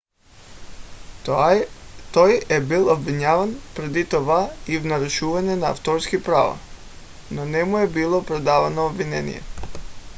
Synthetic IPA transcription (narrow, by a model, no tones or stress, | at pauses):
t̪ojebilˠobʋiɲaːʋanpɾed̪it̪oʋaivnaɾuʃuʋaɲena̰ːft̪oɾskipɾaʋa̰ | nonɛmujebilˠopɾed̪aːʋanoːbʋinenḭjḛ